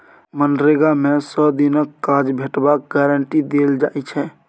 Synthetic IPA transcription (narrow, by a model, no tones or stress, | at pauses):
mənɾeɡamesəd̪inəkːad͡ʒbʱeʈbak̚ɡɛɾəɳʈid̪eld͡ʒaɛt͡ʃʰɛ